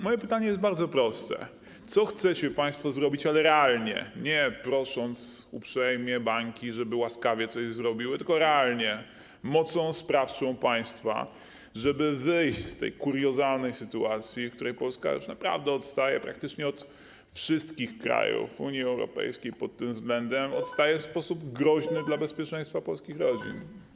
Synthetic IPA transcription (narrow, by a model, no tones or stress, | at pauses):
mɔjɛpɘt̪aɲɛjɛsd̪̚baɾd̪zɔpɾɔst̪ɛ̰ | t̪sɔxt̪sɛt͡ɕɛpaj̃st̪fɔzɾɔbʲit͡ɕalɛɾɛalɲɛ̰ɲɛpɾɔʂɔnt̪supʂɛjmʲjɛbaŋkʲiʐɛbɘwaskavʲjɛt̪sɔʑzɾɔbʲiwɘt̪ɘlkɔɾɛalɲɛ | mɔt̪sɔ̃w̃spɾaft͡ʂɔ̃w̃paj̃st̪fa̰ | ʐɛbɘvɘjɕt͡ɕst̪ɛ̰jkuɾjɔzalnɛjsɘt̪uat̪sʲjifkt̪uɾɛjpɔlska̰jṵʂnapɾa̰vd̪ɛɔt̪st̪ajɛ̰pɾak̚t̪ɘt͡ʂɲɛɔt̪ | fʂɘst̪kʲixkɾa̰jṵfuɲiɛwɾɔ̰pɛ̰jskʲejpɔt̪ːɘmvzɡlɛnd̪ɛmɔt̪st̪ajɛfspɔsubɡɾɔʑnɘd̪labɛspʲjɛt͡ʂɛ̃j̃st̪fapɔlskʲixɾɔd͡ʑḭn